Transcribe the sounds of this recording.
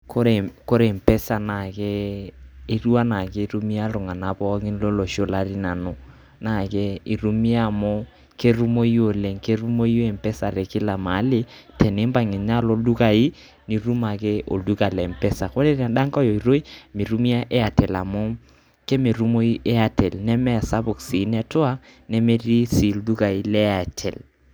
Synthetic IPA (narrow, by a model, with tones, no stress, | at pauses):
ko˦ɾe˨ko˦ɾe˨m̩˨pɛ˦sa˨na˨keː˦ | ɾu˦a˦na˨ke˦ɾu˦mi˦a˦lʊ˨ŋa˨na˨pɔ˦ŋɪ˦n˦lo˦lo˨ʃo˦la˨ɾi˦na˨no˨ | na˦˨ke˦i˨ɾu˦mi˦a˦˨mɔ˦ | ke˦ɾu˦mo˦jo˨le˨ŋke˦ɾu˦mo˦i˦o˦e˨m̩pɛ˦sa˨ɾɛ˨kɪ˦la˨ma˨˦lɪ˦tʰɛ˨ne˦mba˨ŋɪ˨ɲa˦lo˦du˦ka˨i˦ | ni˨ɾu˦ma˨kɛ˦ʔo̰˨du˦ka˨lɛ˨m̩˨pɛ˦sa˨ko˦ɾe˦ɾa˨ɗa˦ŋkɔ˦jɔ˨i˨ɾo˦i˦mi˨ɾu˦mi˦a˦ʔɛ˦a˨tɛ˨la̰˨mɔ˦ | kɛ˦me˨ɾu˦mo˦i˦ʔɛ˦a˨tɛ˨lnɛ˦mɛ˦a˨sa˦bʊ˨ksi˨˦nɛ˦tʊ˦a˦nɛ˦me˦ɾi˦si˨ldu˦ka˨i˦lɛ˦a˨tʰɛ˨l